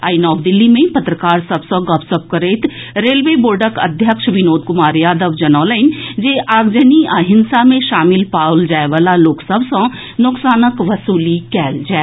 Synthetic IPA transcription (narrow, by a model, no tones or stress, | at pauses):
aːinɔːʋd̪ɪlːimẽpɐt̪ɾəkaːɾsɐbsə̃ɡɔpsəb̚kəɾeːt̪ɾeːlʋeːboːɾɖəkɐ̰d̪ʱjəkʃʋɪnoːd̪kʊmaːɾjaːd̪əʋd͡ʒɐnɔːləɪnd͡ʒeːʔaːɡd͡ʒəniaːɦɪnsamẽʃaːmɪlpaːʊld͡ʒaːeʋaːlaloːksəbʱsõ | nʊksaːnəkʋɐsuːlikɛːld͡ʒaː